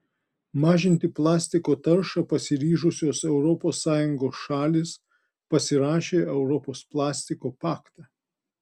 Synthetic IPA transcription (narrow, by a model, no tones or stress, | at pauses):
mɑːʒʲɪnʲt̪ʲɪplˠɑːsʲt̪ʲɪkoːt̪ɐɾʃɑpɐsʲɪɾʲiːʒʊsʲoːsɛʊɾɔpoːsːɑːjʊŋɡoːsʃɑːlʲeːs | pɐsʲɪɾɑːʃʲeːɛʊɾɔpoːsplˠɑːsʲt̪ʲɪkoːpɑːkt̪ɑː